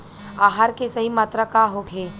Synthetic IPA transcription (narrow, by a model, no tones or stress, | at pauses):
aːɦaɾkesɐɦimaːt̪ɾəkaɦoɡʱeː